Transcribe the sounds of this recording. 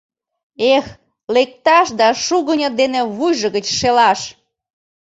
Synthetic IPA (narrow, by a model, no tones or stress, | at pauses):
ex | lek̚t̪ɑʃd̪ɑʃuɣənʲəd̪eneβujʒəɣət͡ɕʃelɑʃ